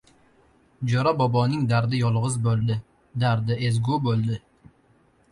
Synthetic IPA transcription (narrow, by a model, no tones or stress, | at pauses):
d͡ʒɒɾabɒbɒnɪŋd̪aɾd̪ɪjɒlˠʁɨzbolˠd̪ɪ | d̪aɾd̪ɪezɡʊbolˠd̪ɪ